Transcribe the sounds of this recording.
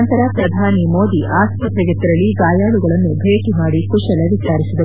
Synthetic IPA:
nt̪ɐɾɐpɾɐd̪ʱaːnimo̞ːd̪iʔaːsɐt̪ɐɡet̪ːiɾɐlːiɡaːjaːɭuɡɐɭɐnːubʱeːkimaːɽikuʂɐlɐʋit͡ʃaːɾisid̪ɐ

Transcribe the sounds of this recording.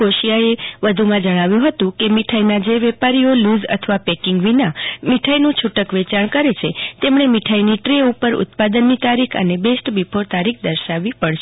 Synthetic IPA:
oʃijaeʋəd̪ʱumãd͡ʒəɽ̃aʋjũɦət̪ũkemiʈʰainad͡ʒeʋɛpaɾijoluzə̰t̪ʰəʋapɛkɪŋɡʋinamiʈʰajnũt͡ʃʰuʈəkʋet͡ʃaɳkəɾet͡ʃʰet̪emɳ̃emiʈʰainiʈɾeupəɾʊ̰t̪pad̪ənːit̪aɾikʰə̰nebesʈbipʰoɾt̪aɾik̚ʰd̪əɾʃaʋipəɽʃ

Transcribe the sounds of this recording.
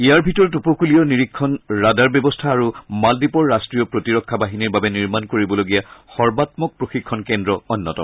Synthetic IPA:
ijaɹbʱitɔɹɔtupɔkulijɔniɹikʰːɔnɹadaɹbjɔbɔstʰaːɹumaldipɔɹːastɹijɔpɹotiɹɔkʰːabaɦiniɹbabɛniɹmankoɹibɔloɡijaxɔɹbatmɔk̚pɹoxikʰːɔnkɛndɹɔɔnːɔtɔ̰m

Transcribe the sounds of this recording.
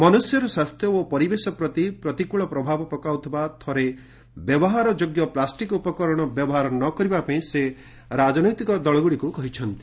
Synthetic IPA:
mɔnusjɔɾɔswast̪ʰjɔopɔɾibesɔpɾɔt̪ipɾɔt̪ikuɭɔpɾɔbʱabɔpɔkawt̪ʰibat̪ʰɔɾe | bjɔbɔɦaɾɔd͡ʒoɡjɔplasʈikupɔkɔɾɔɽ̃ɔbjɔbɔɦaɾɔnɔkɔɾibapaĩse | ɾad͡ʒɔnɔjt̪ikɔd̪ɔɭɔɡuɽikukɔɦit͡ʃʰɔnt̪i̥

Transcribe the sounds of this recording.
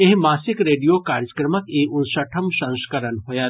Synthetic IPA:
eɦmaːsɪkɾeːɖijokaːɾjəkɾɐməkeʔʊnsɐʈʰɐmsɐ̃nskɐɾənɦoja

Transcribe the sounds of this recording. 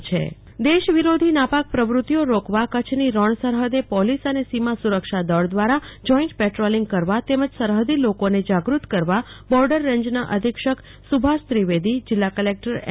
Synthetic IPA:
t͡ʃʰḛ | d̪eʃʋiɾod̪ʱinapak̚pɾəʋɾut̪ijoɾokʋakət͡ʃʰniɾəɳsəɾɦəd̪epɔlisənesimasuɾəkʃad̪əɭd̪ʋaɾad͡ʒɔĩɳʈpeʈɾoliŋɡ̚kəɾʋat̪eməd͡ʒsəɾɦəd̪ʱilokoned͡ʒaɡɾut̪kəɾʋabɔɾɖəɾːəɲd͡ʒnaʔəd̪ʱikʃək | subʱast̪ɾiʋed̪id͡ʒɪlːakəlek̚ʈəɾ

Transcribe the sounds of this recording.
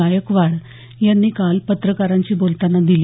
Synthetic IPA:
ajəkʋaɽ | janːiːkalpət̪ɾəkaɾaɲt͡ɕiːbolt̪anːad̪ili

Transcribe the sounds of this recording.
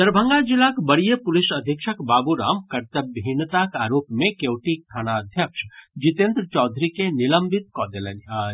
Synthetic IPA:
d̪̥əɾbʱə̃ŋɡad͡ʒilakbəɽijəpulisəd̪ʱikʃʰəkbabuɾa̰ːmkəɾt̪əbʱint̪akaːɾopmẽkewʈik̚t̪ʰanaəd̪ʱjəkʃəd͡ʒit̪ẽnd̪ɾət͡ʃɔd̪ʱɾikeniləmbʱit̪kɔd̪elənaː

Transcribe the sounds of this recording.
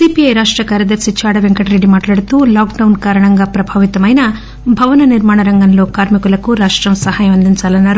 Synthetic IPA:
siːpiɐjɾaːʂʈɾɐkaːɾjɐd̪ɐɾsit͡ʃʰaːɽɐʋeŋkɐʈɾe̞ɖimaːʈlaːɽut̪uːlaːkɖɐwnkaːɾɐɳɐŋɡaːpɾɐbʱaːʋit̪ɐmɐjnɐ | bʱɐʋɐnɐniɾmaːɳɐɾɐŋɡɐnlo̞ːkaːɾmikulɐkuɾaːʂʈɾɐmsɐɦaːjɐmɐnd̪ʱiɲt͡ʃaːlɐnːaːɾu

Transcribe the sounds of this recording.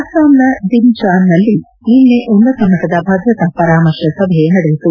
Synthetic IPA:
ɐsaːmnɐd̪int͡ʃaːnːɐlːi | iːnːeʔunːɐt̪ɐmɐkɐd̪ɐbʱɐd̪ɾɐt̪ɐpɐɾaːmɐɾʃjɐsɐbʱɐjenɐɽeɦit̪u

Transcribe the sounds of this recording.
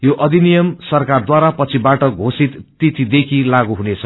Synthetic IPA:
joʔʌd̪ʱinijʌmsʌrkard̪waɾapʌt͡sʰibaʈʌɡʱosit̪ːit̪ʰid̪ekʰilaɡuɦunet͡sʰʌ

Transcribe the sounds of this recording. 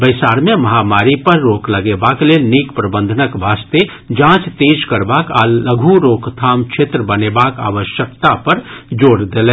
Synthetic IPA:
bəɪsaːɾmẽmɐɦamaːɾipəɾːoːkləɡebaːklelniːkpɾəbə̃nd̪ʱənəkbʱaːst̪e | d͡ʒãːt͡ʃt̪eːd͡ʒkəɾbaːkaləɡʱuɾoːkt̪ʰaːmt͡ʃʰet̪ɾəbənebaːka̰ːʋəʃjəkt̪apəɾd͡ʒoːɾd̪elɛ̃

